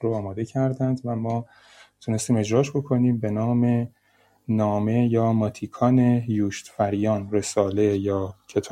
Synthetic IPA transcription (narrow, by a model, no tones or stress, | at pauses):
ɾoɒːmɒːd̪e̞cʰæɾd̪ænd̪væmɒː | t̪ʰune̞st̪iːme̞d͡ʒɾɒːʃbo̞kʰo̞niːmbe̞nɒːme | nɒːme̞jɒːmɒːt̪ʰiːkʰɒːne̞juːʃt̪fæɾjɒːnre̞sɒːle̞jɒːcʰet̪ʰː